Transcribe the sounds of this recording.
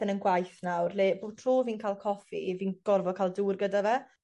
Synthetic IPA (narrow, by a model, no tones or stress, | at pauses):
ənənɡwajθnawrleːbuːtʰr̥uːviːnkʰaːlˠkʰɔfḭviːnɡ̥ɔrvɔkʰaːlˠduːrɡədavɛ